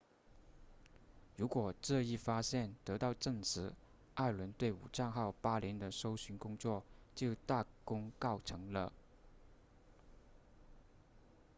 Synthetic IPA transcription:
ɻu˧˥kwɔ˨˩ʈ͡ʂɤ˥˧i˥˩fa˥ɕjɛ˥˩nt̪ɤ˧˥t̪ɑ˥˧ʊʈ͡ʂɤ˥˩ŋʈ͡ʂ̩ʰ˧˥ | a˥˩ɪlwə˧˥nt̪we˥˩ɪṵ˨˩ʈ͡ʂɑ˥˧ŋxɑ˥˩ʊpa˥li˧˥nd̪ə˧ʂo˥ʊɕy˧˥nkʊ˥ŋt͡swɔ˥˩t͡ɕjo˥˧ʊt̪a˥˩kʊ˥ŋkɑ˥˩ʊʈ͡ʂʰɤ˧˥ŋlə̰˧

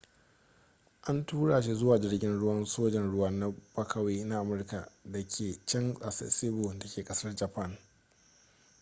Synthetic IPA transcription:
ʔa˦ntuː˦ɽaː˨ʃ̬i˦zʊ˦waː˨d͡ʒɪ˦rɡʲɪ˦nɽʊ˦wɐ˦nsoː˦d͡ʒɛ˨nɽʊ˦wɐ˦na˦b̥ɐ˦kʰɐ˨weː˦na˦ʔa˨mʊ˦rka˨da˨kʲʰeː˨t͡ʃɐ˦nsʼa˨sɐ̰˨sɪ˦bʊ˨da˨kʲeː˨kʼɐ˦sɐ˦rd͡ʒɐ˨pa˦˨n

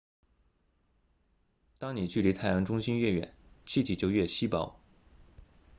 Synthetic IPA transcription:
t̪ɑ˥ŋni˨˩t͡ɕy˥˩li˧˥t̪ʰa˥˩ɪjɑ˧˥ŋʈ͡ʂʊ˥ŋɕi˥nɥɛ˥˩ɥɛ̰˨˩˦nt͡ɕʰi˥t͡ɕ̪ʰi˨˩t͡ɕjo˧˥ʊɥɛ˥˩ɕi˥pɑ˨˧˩ʊ

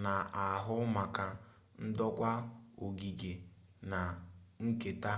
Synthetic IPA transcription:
na˨a˨ɦʊ˦ma˨ka˨ | n̩˦dɔ˦kʷa˦o˨ɡi˨ɡe˨ | na˨ŋ̩˦ke˨ta˦

